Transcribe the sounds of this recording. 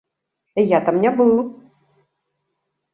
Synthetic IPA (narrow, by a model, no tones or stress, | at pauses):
ijat̪amnʲɛbɨlˠ